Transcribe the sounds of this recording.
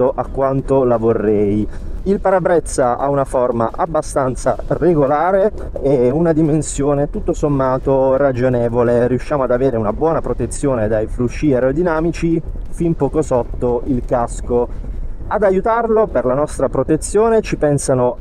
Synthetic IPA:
oʔakːwant̪olavorːɛjilpaɾabɾɛt̪sːaʔa̰unaforma̰ʔabːast̪ant̪sa̰reɡolaːɾe | ɛunad̪imensjoːnet̪ut̪ːosomːaːt̪orad͡ʒonɛːvoleriuʃːjaːmoad̪aveːɾeunabwɔːnapɾot̪et̪sːjoːned̪ajfɾuʃːiɛɾod̪inaːmit͡ʃifimpokosɔt̪ːoilkaskoad̪ajut̪arloperlanɔst̪ɾapɾot̪et̪sːjoːnet͡ʃipɛnsano

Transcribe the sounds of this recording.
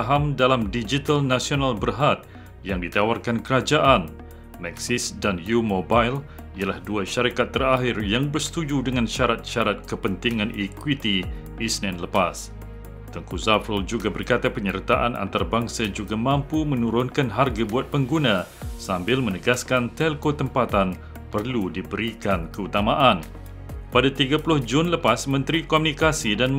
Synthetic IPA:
ɦamdalamdid͡ʒit̪alnasionalbərɦat̪̚ | jaŋdit̪awarkankəɾad͡ʒaʔan | mɛksɪsdanjumobajl | ialahduaʃaɾikat̪ːəraɦɪrjaŋbərsə̥t̪ud͡ʒudəŋanʃaɾat̪̚ʃaɾat̪̚kəpənt̪iŋãnikwit̪i | isnɛ̃nləpas | t̪əŋkuzafəld͡ʒuɡabərkat̪apəɲərt̪aʔa̰nʔa̰nt̪aɾabaŋsad͡ʒuɡamãmpumə̃nũɾʊnkanɦarɡabuat̪̚pəŋɡunã | sambɪlmə̃nəɡaskant̪ɛlkot̪əmpat̪an | pərludibəɾikankəut̪amãʔan | padat̪iɡapulʊhd͡ʒʊnləpasmə̃nt̪ɾikomunikasidan

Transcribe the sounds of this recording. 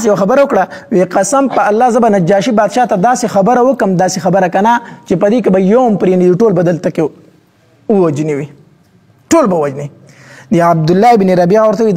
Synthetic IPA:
s̬jawxabəɾawəkɽaweqasampəalːɑːzəbanad͡ʒɑːʃibɑd̪ʃɑt̪ad̪ɑsexabəɾawəkəmd̪ɑːsexabəɾakanat͡ʃepəd̪ek̬ebajompɾenid̪iʈolbad̪əlt̪ake | uwad͡ʒniwi | ʈolbawwad͡ʒni | d̪əab̚d̪ʊlːɑɪbniɾabijɑwəɾt̪awi

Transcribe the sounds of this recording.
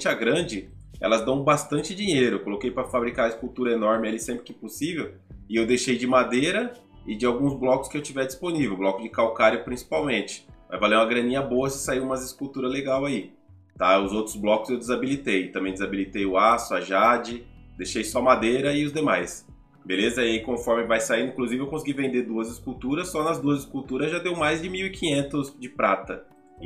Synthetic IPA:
t͡ʃɪaɡɾɐ̃d͡ʒɪ | ɛ̰lɐzd̪ɐ̃w̃bast̪ɐ̃nt͡ʃɪd͡ʒĩɲejɾʊekolokejpɾɐfabɾikaɐɪskuwt̪uɾɐenɔɾmɪalisẽmpɾɪkɪĩposivew | ɪewd̪ejʃejd͡ʒɪmad̪ejɾɐ | ɪd͡ʒɪawɡũzblɔkʊ̥skɪewt͡ʃivɛɾd͡ʒisponivewblɔkʊd͡ʒɪkawkaɾjʊpɾĩsi̥pawmẽnt͡ʃɪ̥mɐ̰zvalejũmɐɡɾɐ̃nĩɲɐboɐsɪsaiũmɐzɪskuwt̪uɾɐzleɡawai | t̪aʊzowt̪ɾʊzblɔkʊ̥zewd͡ʒɪzabilit̪ejt̪ɐ̃mẽj̃d͡ʒɪzabilit̪ejʊasʊɐʒad͡ʒɪd̪ejʃejsɔɐmad̪ejɾɐɪʊzd̪emajs | belezɐikõfɔɾmɪvajsaid̪ʊĩkluzivɪewkõsiɡivẽnd̪eɾd̪uɐzɪskuwt̪uɾɐsːɔnɐzd̪uɐzɪskuwt̪uɾɐzʒad̪ewmajzd͡ʒɪmiwɪkĩɲẽnt̪ʊzd͡ʒɪpɾat̪ɐ

